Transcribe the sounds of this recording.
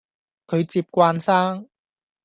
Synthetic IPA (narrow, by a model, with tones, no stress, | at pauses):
kʰɵ˨˧ɥt͡siː˧p̚kʷwaː˧nsaː˥ŋ